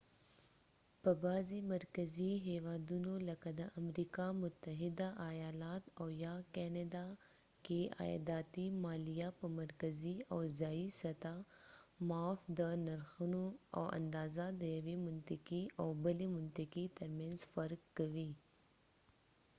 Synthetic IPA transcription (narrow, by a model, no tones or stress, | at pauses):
pɐbaːzimɐɾkəziɦɛːʋaːd̪unolɐkɐd̪aʔɐmɾiːkamʊt̪ːəɦɪd̪aʔɐjaːlaːt̪ɔːjaːkɛːned̪a | kea̰ːd̪aːt̪imaːlijapɐmɐɾkəziɔːzaːisɐt̪amaːfd̪ənɐɾxənuɔ̰ːʔɐ̰̃nd̪aːzad̪ɐjəʋimʊnt̪əkiɔːbəlimʊnt̪əkit̪ɐɾmjẽːnzfɐɾkːɐʋiː